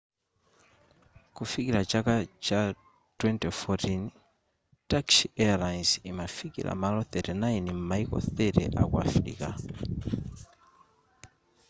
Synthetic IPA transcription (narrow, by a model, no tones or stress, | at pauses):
kufikilat͡ʃakat͡ʃa | twɛntɛfɔtin | taksiɛalajnsimafikḭlʔa̰malɔθɛtɛnajnim̩maikɔ̰θɛtɛ̰ʔa̰kwafɾḭka